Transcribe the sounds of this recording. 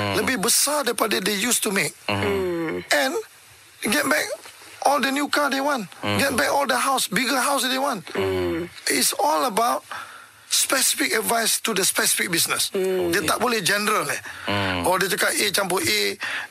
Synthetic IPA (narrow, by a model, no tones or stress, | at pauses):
ləbibəsadepadədejustumek̚ | ʔɛ̃n | ɡɛt̚bɛk̚ʔɔldənjukadewãnɡɛt̚bɛkɔldəɦawsbiɡəɦawsdewãn | itsɔləbaʊt̚ | spɛsi̥fikədvajstudəspɛsi̥fik̚bisnəsdet̪aʔ̚bolid͡ʒɛnəɾəlɛɔdet͡ʃəkaet͡ʃãmpəʔe